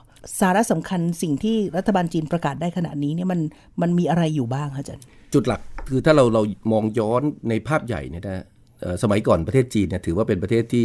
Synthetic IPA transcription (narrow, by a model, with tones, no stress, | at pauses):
saː˩˦ɾa˦˥ʔsa˩˦mkʰa˧nsi˨˩ŋt̪ʰiː˥˩ɾa˦˥t̪ʰːa˧baː˧nt͡ɕiː˧npɾa˧kaː˨˩t̪̚daː˥˩jkʰa˧na̰˨˩niː˦˥ni˥˩ma˧n | ma˧nmiː˧ʔa˧ɾa˧jːuː˨˩baː˥˩ŋkʰa˦˥t͡ɕa˧˥˩nt͡ɕu˨˩t̪̚la˨˩k̚ʰɯː˧t̪ʰaː˥˩ɾa˧wɾa˧wmɔː˧ŋjɔː˦˥nːa˧jpʰaː˥˩p̚ja̰˨˩jni˥˩na˦˥ | ʔəː˨˩sa˧ma˩˦jkɔː˨˩npɾa˧t̪ʰeː˥˩t̪̚t͡ɕiː˧nːi˥˩ɐt̪ʰɯː˩˦waː˥˩pe˧npɾa˧t̪ʰeː˥˩t̪ʰːiː˥˩